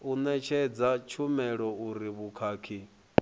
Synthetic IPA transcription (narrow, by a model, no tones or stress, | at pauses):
unɛt͡ʃʰɛd͡zat͡ʃʰumɛɺɔuɾiβukʰaːkʰi